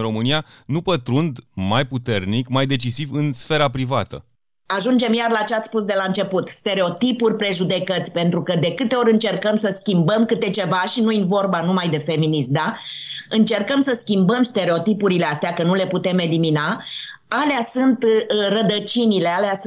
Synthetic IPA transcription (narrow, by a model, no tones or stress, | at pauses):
ɾo̞mɨnijanupət̪ɾund̪majput̪e̞rnikmajd̪e̞t͡ʃisivɨnsfe̞ɾapɾivat̪ə̰ | aʒund͡ʒe̞mjarlat͡ʃeat̪sspusd̪e̞laɨnt͡ʃe̞put̪st̪e̞ɾe̞o̞t̪ipurʲpɾe̞ʒud̪e̞kət̪sʲpe̞nt̪ɾukəd̪e̞kɨt̪e̞o̞ɾʲɨnt͡ʃe̞rkəmsəskʲimbəmkɨt̪et͡ʃe̞vaʃinujinvo̞rbanumajd̪e̞fe̞minismd̪a | ɨnt͡ʃe̞rkəmsəskʲimbəmst̪e̞ɾe̞o̞t̪ipuɾileast̪eakənule̞put̪e̞me̞limina | aleasɨnt̪rəd̪ət͡ʃinilealeas